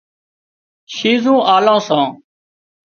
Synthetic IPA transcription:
ʃiːzũːʔaːlãːsãː

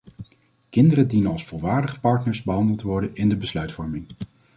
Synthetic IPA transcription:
kɪndərədinənɑlˠsfʊlˠʋaːɹdəχə̥pɑɹtnəɹsbəɦɑndəlˠtʋɔɹdənɪndəbəslœɥtfɔɹmɪŋ

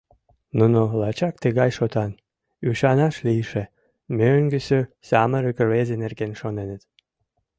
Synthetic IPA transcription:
nunolɑt͡ɕɑkt̪eɣɑjʃot̪ɑn | yʃɑnɑʃlijʃe | møŋɡəsøsɑməɾykərβezʲenerɡenʃonenə̆t̪

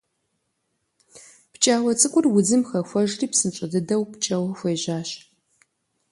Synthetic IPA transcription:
pt͡ʃʼaːwɐt͡sʼɨkʷʼʊrwʊzɨmxɐxʷɔʒriːpsɨnt͡ʃʷʼɐdɨdɐwpt͡ʃʼɐwɐxʷejʑaːɕ

